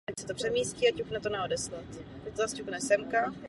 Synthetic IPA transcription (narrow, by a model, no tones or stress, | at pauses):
taksɛt̪opr̥ɛmiːsciacupnɛt̪onɛodɛslat̪t̪ak̚t̪ozascuknɛsɛmka